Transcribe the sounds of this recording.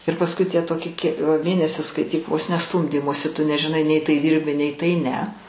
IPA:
ɪr pɐsˈkʊɪ tʲiɛ ˈtoːkʲɪ kʲiɛ ʋɐ ˈmʲeːnʲɛsʲɪs skɐɪˈtʲiːk ʋoːs nʲɛ ˈstuːmʲdʲiːmoːsʲɪ tʊ nʲɛʒʲɪˈnɐɪ nʲɛɪ tɐɪ ˈdʲiːrʲbʲɪ nʲɛɪ tɐɪ nʲɛ

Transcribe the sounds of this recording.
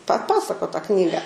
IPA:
pɐˈpɑːsɐkoː tɑː ˈknʲiːɡɐ

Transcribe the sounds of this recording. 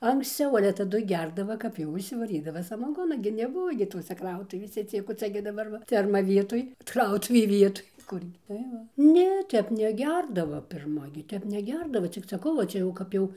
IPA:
ɐŋksʲˈt͡sʲɛʊ ɐlʲɛ tɐˈdʊ ˈɡʲɛrdɐʋɐ kɐp jɛʊ ɪʃʲsʲɪʋɐˈrʲiːdɐʋɐ sɐmɐˈɡoːnɐ ɡʲɪ nʲɛˈbʊʋoː ɡʲɪ ˈtoːsʲɛ ˈkrɐʊtʊʋʲeːsʲɛ ˈt͡sʲiɛk oː ˈt͡sʲɛ ɡʲɪ dɐˈbɐr ʋɐ ˈfʲɛrmɐ ˈʋʲiɛtoːj ˈkrɐʊtʊʋʲeː ˈʋʲiɛtoːj ˈkʊrʲɡʲɪ tɐɪ ˈʋɐ ˈnʲɛ ˈtʲɛp nʲɛˈɡʲɛrdɐʋɐ pʲɪrˈmɐ ɡʲɪ ˈtʲɛp nʲɛˈɡʲɛrdɐʋɐ t͡sʲɪk sɐˈkɐʊ ʋɐ ˈt͡ʃʲɛ jɛʊ ˈkɐp jɛʊ

